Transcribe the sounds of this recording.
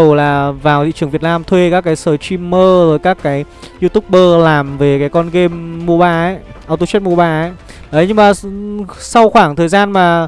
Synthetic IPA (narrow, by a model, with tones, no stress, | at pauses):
ə˨˩wlaː˨˩vaː˨˩wt̪i˧˨t͡ɕɨ˨˩ŋvt̚naː˧mt̪ʰwe˧kaː˦˥kːaː˨˦jsəː˨˩t͡ɕi˧mːəː˧zəː˨˦jkaː˦˥kːaː˨˦jzi˧t̪ʊ˦˥k͡p̚ɓəː˧laː˨˩mve˨˩kaː˨˦jkɔ˧nɣe˧mːu˧əɓaː˧ʔə˨˦j | ʔaː˧wt̪o˧t͡ɕt̚mu˧ɓaː˧ʔə˨˦j | ʔə˨˦jɲɨ˧ŋmaː˨˩ | sa˧wxwaː˧˩ŋt̪ʰəː˨˩jzaː˧nmaː˨˩